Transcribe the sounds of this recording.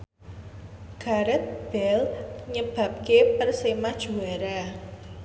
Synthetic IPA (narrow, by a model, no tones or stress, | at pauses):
ɡ̥aɾɛt̪̚b̥ɛlɲəb̥a̤p̚kepərsemad̥ʒ̥uaɾa